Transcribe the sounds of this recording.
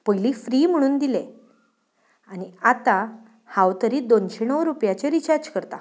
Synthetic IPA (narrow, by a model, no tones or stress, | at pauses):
pəjliːfɾiːm̤əɽ̃uːnd̪ile | aɽ̃iat̪a | hãwt̪əɾiːd̪onɕenəʋɾupjat͡ɕeɾit͡ɕaɾd͡ʑkəɾt̪a